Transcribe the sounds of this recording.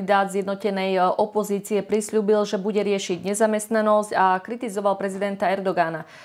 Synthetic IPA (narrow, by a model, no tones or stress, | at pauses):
id̪aːd̪zjɛd̪nɔcɛnɛjɔpɔziːt͡siɛpɾisʎuːbilʒɛbuɟɛɾɪɛʃiɟɲɛzamɛst̪nanɔscakɾit̪izɔʋalpɾɛzid̪ɛnt̪aɛɾd̪ɔɡana